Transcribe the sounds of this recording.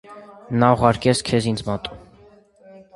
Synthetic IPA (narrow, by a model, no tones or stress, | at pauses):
nɑuʁɑɾkɛsʰkʰɛzind͡zmɑt̪ʼu̥